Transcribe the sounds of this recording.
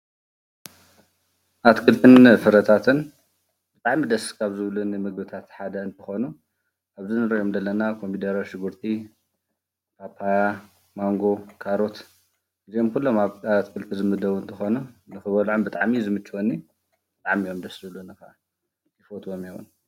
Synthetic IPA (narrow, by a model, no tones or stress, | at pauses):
ʔat̪kʰʼɨlt̪ʰɨnfɨɾɐt̪ʰat̪ʰɨn | b̥ɨt̪ʼaʕmid̪ɐskʰaβzɨβlunɨmɨɡbɨt̪ʰat̪ħad̪ɐɨnt̪ʰɨxonu | ʔaβzɨnɨɾɐjomd̪ɐlːɐnakʰo̞mpʰid̪ɐɾawʃɪɡɨɾt̪ʰi | kʰapʰaja | maŋɡo̞kʰaɾo̞t̪ | ʔɨzio̞mkʰulːo̞maβat̪kʰʼɨlt̪ʰizɨmɨd̪ɐwuɨnt̪ʰɨxonunɨxɨβɐlʕombɨt̪ʼaʕmizɨmɨt͡ʃːwonːi | b̥ɨt̪ʼaʕmijo̞md̪ɐszɨβlunɨkɐʔa | ifot̪ʼwomjewṵn